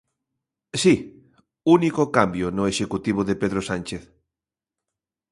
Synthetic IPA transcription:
si | unikokambjonʊeʃekut̪iβ̞oðepeðɾosant͡ʃeθ

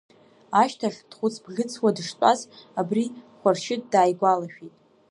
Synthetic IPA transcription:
aʃtʰaɬd̥χʷʊt͡sʰbɡʲɨt͡sʰwadɨʂtʷʼazabriχʷarʃɪt̚ʼdaːjɡʷalaʃᶣitʼ

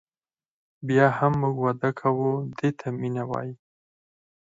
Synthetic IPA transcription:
bjɑhamːuɡwad̪akʰawud̪et̪ʰaminawɑ̰ji

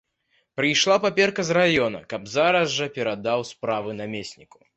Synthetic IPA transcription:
pɾɨjʂlˠapapʲɛrkɐzrajɔnɐ̰kɐbzaɾɐzʐɐpʲɛɾad̪awspɾavɨnamʲesʲnʲiku̥

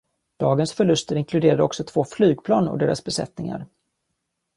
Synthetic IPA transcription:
d̪̥ɑːɡənsfœɭɵst̪əɾɪŋkʰlɵd̪eːɾad̪əɔksɔt̪ʰv̥oːflyːɡ̚pʰlɑːnɔ̰d̪eːɾʔasbɛsɛ̰t̪nɪŋa̰ɾ

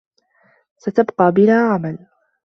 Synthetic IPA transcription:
sat̪abqɑːbɪnaːʕamal

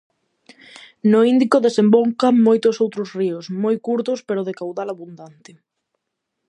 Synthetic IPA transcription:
noind̪ikoðesemboŋkaŋmojt̪osowt̪ɾosriosmojkuɾt̪ospeɾoðekawðalaβund̪ant̪e

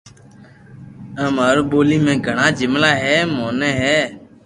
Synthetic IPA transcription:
əmɦəɾɓoːliːmẽːɡʱəɳãːd͡ʒɪmlaːɦɛːmoːnẽːɦɛː

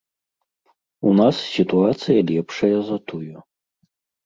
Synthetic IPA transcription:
unassʲit̪uat̪sɨjɐlʲɛpʂɐjɐzɐt̪uju

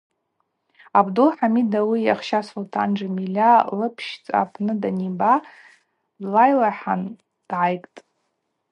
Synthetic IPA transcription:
abdulħamidawijaχʃasotʰand͡ʒamilʲalɨpʰʃt͡sʼa̰pʰnɨdaniba | dlajlaħan | d̥ʕajkʼtʼ

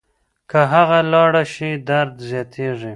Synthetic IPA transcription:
kaɦaɣalɑɽaʃid̪aɾd̪zjɑt̪ʰeʐi

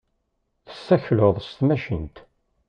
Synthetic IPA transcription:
θə̥sːæçlʊðˤst̪mæʃənt̪

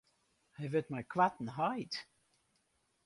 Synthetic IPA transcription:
hajvət̚majkʰwatn̩ɦajt

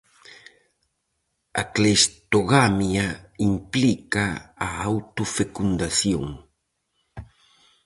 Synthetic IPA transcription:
a̰klest̪oɣamjaimplikaːawt̪ofekund̪aθjo̰ŋ

